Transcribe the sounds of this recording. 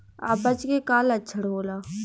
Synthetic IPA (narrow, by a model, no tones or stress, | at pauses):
a̰ːbət͡ʃkekaːlɐt͡ʃʰəɽɦoːlaː